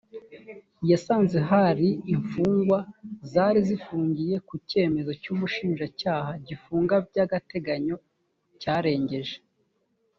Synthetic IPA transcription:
jasaːnzeɦaɾiiɱfuːŋɡwazaːɾizifuːɲɟije̞kuce̞ːme̞zo̞cuːmuʃiːnʒacaːɦaɟifuːŋɡabɟaɡate̞ɡaɲo̞ | caːɾe̞ːɲɟe̞ʒe

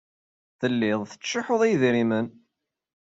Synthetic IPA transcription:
θəlːɪðˤθə̥t͡ʃːɪħoðˤijðɾimən

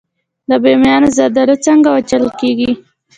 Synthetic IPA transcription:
d̪əbemjɑnozad̪aɾət͡səŋɡawat͡ʃələkeɡi

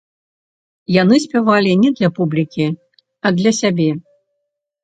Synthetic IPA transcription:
janɨsʲpʲavalʲinʲɛd̪lʲɐpublʲikʲi | ɐd̪lʲɐsʲabʲɛ

